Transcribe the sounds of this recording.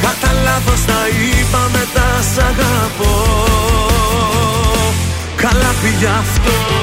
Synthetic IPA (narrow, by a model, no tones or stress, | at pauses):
kɐt̪ɐlɐvost̪ɐipɐmet̪ɐsɐɣɐpo | kɐlɐviʝɐft̪o